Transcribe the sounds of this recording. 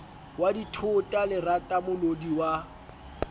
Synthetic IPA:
waditʰʊtʼalɪratʼamʊlodiwa

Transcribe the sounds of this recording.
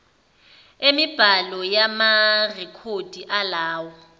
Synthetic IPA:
emib̥ʱalɔjamarɛkʰod̥ʱiʔalaːwɔ

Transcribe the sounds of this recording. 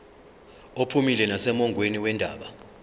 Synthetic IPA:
opʰumilɛnasɛmɔŋɡʱweniwɛndʱaːɓa

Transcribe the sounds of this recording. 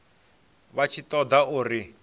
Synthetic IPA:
βat͡ʃʰit̪ɔd̪auːri

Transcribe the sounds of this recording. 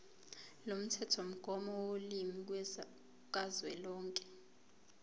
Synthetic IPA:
lom̩tʰɛtʰom̩ɡ̥ʱɔmɔwolimik̬wɛ | k̬azwɛlɔːŋkʼɛ̥

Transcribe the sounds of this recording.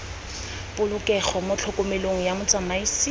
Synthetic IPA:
pʊlʊkʼɛχɔmʊt͡ɬʰʊkʼʊmeloŋ̩jamʊt͡sʼamaisi

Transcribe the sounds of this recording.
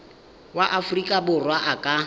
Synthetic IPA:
waʔafʊrikʼabʊrwaʔakʼa

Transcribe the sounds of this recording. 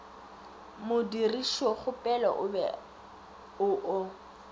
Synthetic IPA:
mʊdiriʃɔχʊpʼɛlɔ̰ʔʊbɛ̰ | ʊʔʊ

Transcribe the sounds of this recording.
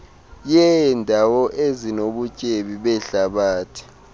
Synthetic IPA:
jɛndʱawɔʔezinoɓut͡ʃʼeɓiɓɛɬaɓaːtʰi̥

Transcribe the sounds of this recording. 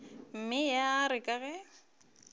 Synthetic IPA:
m̩mɪjaɾɪkʼaɣɛ

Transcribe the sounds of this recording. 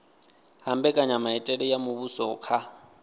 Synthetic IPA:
hambɛkʼaɲamaɛtʼɛɺɛjamuβusɔːkʰa

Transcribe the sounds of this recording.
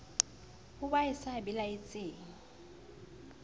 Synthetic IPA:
hʊbaɪsabɪlaɪt͡sʼɪːŋ̩

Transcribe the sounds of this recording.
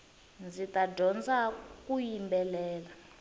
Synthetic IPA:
nd͡zitʼaɟʱɔnd͡zak̬ʼujimbɛlɛːla

